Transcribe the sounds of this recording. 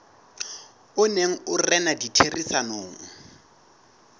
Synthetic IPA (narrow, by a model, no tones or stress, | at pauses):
ʊneŋ̩ʊrɛnaditʰerisanoːŋ̩